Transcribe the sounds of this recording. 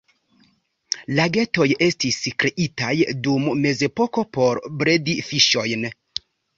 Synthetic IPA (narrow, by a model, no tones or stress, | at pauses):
laɡe̞to̞je̞stiskɾe̞ʔitajdumme̞ze̞po̞ko̞po̞ɾbɾe̞difiʃo̞jn